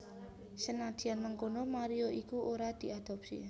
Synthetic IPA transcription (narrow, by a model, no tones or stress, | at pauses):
sənad̪̥i̤anmaŋkonomaɾioʔikuʔoɾad̪̥i̤ad̪̥ɔ̤p̚sḭ